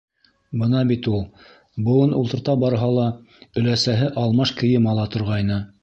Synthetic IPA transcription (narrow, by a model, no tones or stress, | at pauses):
bɤnɑbit̪ulˠ | bɤ̆wɤnulˠt̪ɤ̆ɾt̪ɑbɑɾɦɑlˠɑ | ɵ̆læsæɦɘʔɑlˠmɑʃkɘ̆jɘmɑlˠɑt̪ŏɾʁɑjnɤ